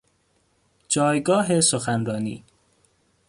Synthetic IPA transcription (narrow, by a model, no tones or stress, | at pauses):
d͡ʒɒːjɡɒːɦesoxænɾɒːnḭː